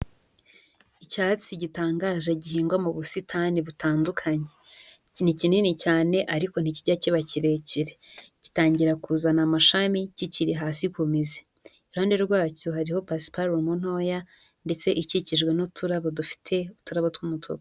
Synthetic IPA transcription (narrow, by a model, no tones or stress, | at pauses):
icaːt͡siɟitaːŋɡaːʒeɟihiːŋɡwamuβusitʰaniβutʰaːndukʰaɲe̞ | in̥icininicaːne̞ʔaɾiko̞n̥iciɟaciβaciɾe̞ciɾeɟi̥taːɲɟiɾakuzanamaʃamiciciɾiɦaːsikumize | iɾuaːndeɾwaːcuɦaɾiho̞pasi̥paɾomun̥o̞ːja | nde̞t͡se̞ʔiciciʒɡwe̞nutʰuɾaβodufi̥tʰe̞utuɾaβotwumutʰo̰ɡa